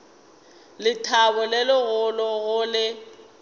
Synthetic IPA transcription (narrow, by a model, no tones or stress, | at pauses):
lɪtʰaβʊlɪlɪɣʊlɔɣʊlɪ